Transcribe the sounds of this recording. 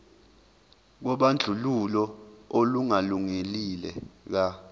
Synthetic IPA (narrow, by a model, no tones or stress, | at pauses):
k̬ɔɓand͡ɮʱululɔoluŋaluŋelilɛ̰k̬a